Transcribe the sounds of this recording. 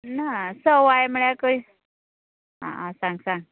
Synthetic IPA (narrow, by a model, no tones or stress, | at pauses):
nasəwajməɭjakəj | ɦã̰ʔãsãŋɡsãŋɡ̚